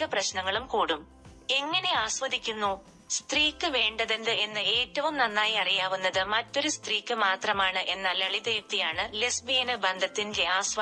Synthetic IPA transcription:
ɐprɐɕnɐŋːɐɭumkuːɽum | e̞ŋːɐne̞aːsʋɐd̪ʱikʲːunːuː | st̪riːkːɨʋe̞ːɳɖɐðend̪ɨe̞nːɨe̞ːtːɐʋumnɐnːaːjiɐrijaːʋunːɐðɨmɐtːo̞ɾust̪riːkʲːɨmaːt̪rɐmaːɳɨʔe̞nːɐlɐɭid̪e̞ːft̪ijaːɳɨlesbijɐnɨbɐnd̪ʱɐt̪ːindeaːsʋɐ

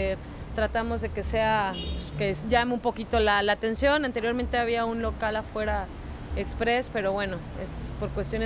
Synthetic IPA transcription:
e | t̪ɾat̪amo̞zðe̞ke̞se̞akeʝameumpo̞kit̪olalat̪e̞nsjo̞nant̪eɾjo̞ɾment̪e̞aβiaunlo̞kalafwe̞ɾa | ekspɾe̞spe̞ɾo̞βwe̞no̞ḛspo̞ɾkwest̪jo̞ne

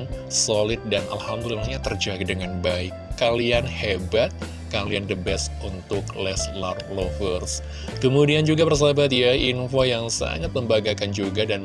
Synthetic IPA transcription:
nsolɪt̪̚danʔa̰lhamdililɲat̪ərd͡ʒaɡ̚dəŋanbaɪkːalianhebat̪̚ | kaliandəbɛsunt̪ʊklɛslarflofərs | kəmudiand͡ʒuɡapərs̬aɦabat̪jainfojaŋsa̰ŋat̪̚məmbaɡakand͡ʒuɡadan

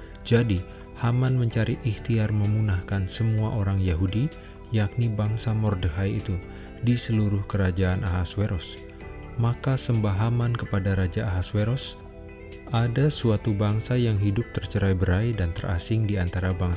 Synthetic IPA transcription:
d͡ʒadi | hamanməɲt͡ʃaɾiʔiht̪iarməmunahkansəmuaʔoɾaŋjaɦudi | jak̚nibaŋsamɔrdəɦajḭt̪u | disəluɾʊhkəɾad͡ʒaːnʔaɦasweɾɔs | makasəmbaɦamankəpadaɾad͡ʒaːɦasweɾɔs | ʔadasuat̪ubaŋsajaŋɦidʊp̚t̪ərt͡ʃəɾajbəɾajdant̪ərʔa̰sɪŋdiant̪aɾabaŋs

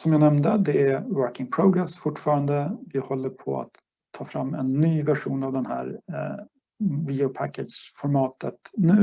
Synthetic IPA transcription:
sɔmjaːnɛmnd̪əd̪ɛæɾwœɾkɪŋpʰɾɔɡɾɛsfʊʈːfɑːɾand̪əvɪhɔlːəɾpʰɔ̰a̰t̪ʰː | ɑːfɾamːɛ̰nːyːvæʂuːnavd̪ɛnhæ̰ːɾ | vid̪ɪʊpʰækːɛd̪ʂfɔɾmɑːt̪ət̪nʉ̟ː

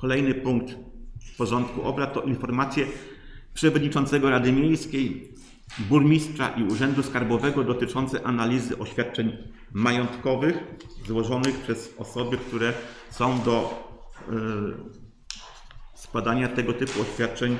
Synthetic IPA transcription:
kɔlɛjnɘpuŋk̚t̪pɔʐɔnt̪kuʔɔbɾat̪ːɔʔinfɔɾmat̪sʲjɛ | pʂɛvɔd̪ɲit͡ʂɔnt̪sɛɡɔɾad̪ɘmʲjejskʲej | buɾmʲistʂa̰ʔiuʐɛnd̪uskaɾbɔvɛɡɔd̪ɔt̪ɘt͡ʂɔnt̪sɛʔanalʲizɘʔɔɕfʲat̪̚t͡ʂɛɲ | majɔnt̪kɔvɘxzwɔʐɔnɘxpʂɛz̥ɔsɔbɘkt̪uɾɛ | sɔ̃w̃d̪ɔ | skwad̪aɲat̪ɛɡɔt̪ɘpuɔɕfʲjat̪̚t͡ʂɛɲ

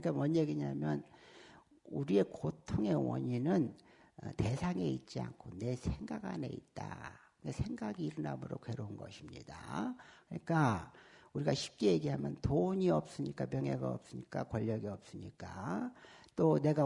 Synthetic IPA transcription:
ɯɲik͈amwʌnːeɡeɲamjʌn | uɾie̞kotʰoŋe̞wʌ̰ɲinɯn | te̞sʰaŋe̞it̚t͡ɕ͈ia̰nkʰone̞sʰe̞ŋɡaɡa̰ne̞̰ḭt̚t͈a̰kɯɡesʰe̞ŋɡaɡiːɾɯna̰mɯɾokwe̞ɾounɡʌ̰ɕʰimɲḭda̰kɯɲik͈a | uɾiɡaɕʰi̥p̚k͈eje̞ɡiɦamjʌntoɲiʌp̚s͈ɯɲik͈apjʌŋɦe̞ɡaʌ̰p̚s͈ɯɲik͈akwʌʎːʌɡiʌp̚s͈ɯɲik͈a | t͈one̞ɡa

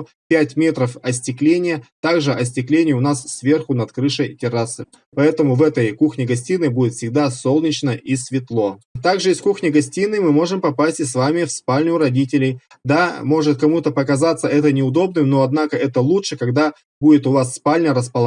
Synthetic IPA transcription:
pʲætʲmʲe̞t̪ɾəfɐsʲtʲɪklʲenʲɪjət̪aɡʐɨʔɐsʲtʲɪklʲenʲɪjəʊnassvʲe̞rxʊnɐt̪kɾɨʂəjtʲɪɾasɨ | pɐɛt̪əmʊvɛt̪əjkuxnʲɪɡɐsʲtʲinːɨbudʲɪt̪fʲsʲɪɡ̚d̪aso̞lˠnʲɪt͡ɕnəʔisvʲɪt̪lˠo̞t̪aɡʐɨɪskuxnʲɪɡɐsʲtʲinːɨmɨmo̞ʐɨmpɐpasʲtʲɪsvamʲɪfspalʲnʲʊɾɐdʲitʲɪlʲɪj | d̪amo̞ʐɨt̪̚kɐmut̪əpəkɐzat̪səɛt̪ənʲɪʊd̪o̞bnɨmno̞ɐd̪nakəɛt̪əlˠutʂɨkɐɡd̪a | budʲɪt̪ʊvasːpalʲnʲəɾəspəlˠɐ

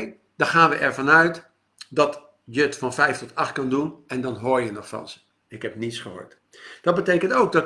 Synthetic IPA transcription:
d̥ɑχaːnʋəʔɛɹvɑnœɥt | dɑt | jətfɑnfɛjftɔtʰɑχt̚kɑndunɛndɑnɦoːɹjənɔχfɑ̰nzə | ɪkɦɛp̚nitsχəɦo̰ːɹt | d̥ɑt̚bətejkəntowɡ̚dɔt

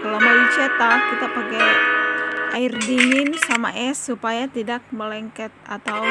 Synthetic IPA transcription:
kəlamalit͡ʃat̪akit̪apaɡaj | airdiŋɪnsama̰ʔɛsːupajat̪idak̚məlɛŋkɛt̪̚a̰t̪aw

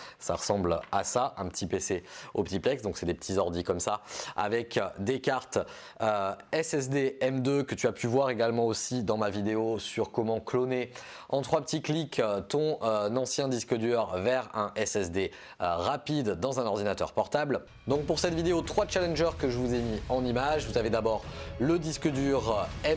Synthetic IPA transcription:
sa̰ʁəsɑ̃blasaʔɛ̃pət̪ipeseopət̪iplɛksd̪ɔ̃ksɛd̪epə̥t̪ʰizɔʁd̪ikɔmsaa̰vɛkd̪ekaʁt̪ | øɛsɛs̬d̪eɛmd̪økət̪yapʰyvwaʁeɡalmɑ̃osid̪ɑ̃mavid̪eosyʁkɔmɑ̃klone | ɑ̃t̪χwapət̪iklikt̪ɔ̃ønɑ̃sjɛ̃d̪iskəd̪yʁvɛʁɛ̃ʔɛsɛsd̪e | øʁapid̪ːɑ̃zɛ̃nɔʁd̪inat̪œ̰ʁpɔʁt̪abl | d̪ɔ̃k̚puʁsɛt̪vid̪eot̪χwat͡ʃalɛ̃nʒœʁkəʒəvuzemiɑ̃nimaʒvuzaved̪abɔʁləd̪iskəd̪yʁɛ

